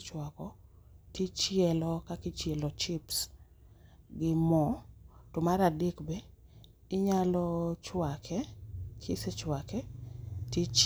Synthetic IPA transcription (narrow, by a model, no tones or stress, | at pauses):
t͡ʃwakɔtit͡ʃjɛlɔkakɪt͡ʃjɛlɔt͡ʃɪps | ɡɪmɔtɔmaɾadɪkbɛ | ɪɲalɔt͡ʃwakʰɛkʰɪsɛt͡ʃwakɛtit͡ʃ